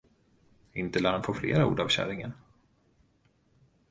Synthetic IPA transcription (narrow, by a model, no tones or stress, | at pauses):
ɪnt̪əlaːhanpʰoːflḛːɾaṵːɖavɕæ̰ɾɪŋən